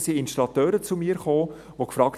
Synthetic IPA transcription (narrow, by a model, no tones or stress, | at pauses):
siɪnʃtɾɑt̪øːɾət͡sumiːəɾχoː | ʋokfɾɑːkt